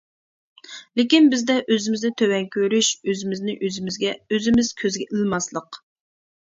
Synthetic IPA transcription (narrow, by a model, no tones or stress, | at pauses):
lɪkʲinbɪzd̪ɛʔøzɪmɪzd̪ɛt̪ʰøwɛŋkʲʰøɾyʃøzɪmɪznɪʔøzɪmɪzɡʲɛøzɪmɪz̥kʲʰøzɡʲɛʔɪlˠmɑslˠəq